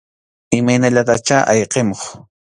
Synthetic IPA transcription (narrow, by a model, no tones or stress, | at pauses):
ɪmajnaʎat̪at͡ʃaʔajqemoχ